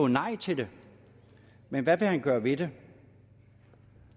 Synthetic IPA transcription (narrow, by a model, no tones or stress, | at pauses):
onɑ̈ɪ̰t͡sʰe̝d̥e̝ | menʋæʋe̝hænɡ̥ɶːɐʋe̝d̥e